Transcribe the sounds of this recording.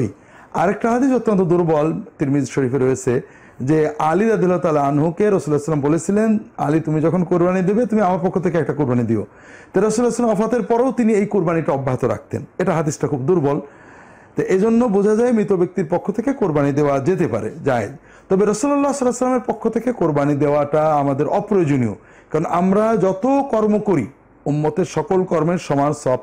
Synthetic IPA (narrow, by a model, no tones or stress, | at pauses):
ḭ | aɾek̚ʈaɦad̪iʃot̪ːont̪od̪uɾbɔlt̪iɾmid̪ʃoɾifeɾːojet͡ɕʰe | d͡ʑealiɾad̪ijɐlaɦot̪aːlaanɦukeɾɔsulaslambolet͡ɕʰilena̰lit̪umid͡ʑɔkʰonkuɾbanid̪ebet̪umiamaɾpɔkʰːot̪ʰekeɛk̚ʈakuɾbanid̪io̰ | t̪aɾɔsulaslamɔfat̪eɾpɔɾowt̪iniejkuɾbaniʈaɔbːaɦit̪oɾa̰k̚ʰt̪ḛneʈaɦad̪isʈakʰubd̪uɾbɔl | t̪eʔed͡ʑonːobod͡ʑʱad͡ʑaemɾit̪obek̚t̪iɾpokʰːot̪ʰekekoɾbanid̪eoad͡ʑet̪epa̰ɾḛd͡ʑaed̪ | t̪ɔbeɾʌsulɔlːasɔlːasəlːameɾpokʰːot̪ʰekekoɾbanid̪eoaʈaamad̪eɾʔɔpɾojod͡ʑonio̰ | kaɾonʔamɾad͡ʑɔt̪okɔɾmokoɾi | umːot̪eɾʃɔkolkɔɾmeɾʃɔmansɔb